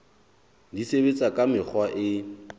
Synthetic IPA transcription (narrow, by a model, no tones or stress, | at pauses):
disebet͡sʼakʼamɪk͡xʰwaʔɪ